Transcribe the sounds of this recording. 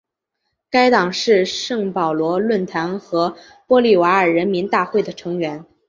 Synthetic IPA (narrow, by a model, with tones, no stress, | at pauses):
ka˥ɪt̪ɑ˨˩ŋʂɻ̩˥˧ʂɤ˥˩ŋpɑ˨˩ʊlwɔ˧˥lwə˥˩nt̪ʰa˧˥nxɤ˧˥ | pwɔ˥li˥˩wa˧˥ə˞˨˩ɻə˧˥nmi˧˥nt̪a˥˧xwe˥˩ɪd̪ə˩ʈ͡ʂʰɤ˧˥ŋɥɛ˧˥n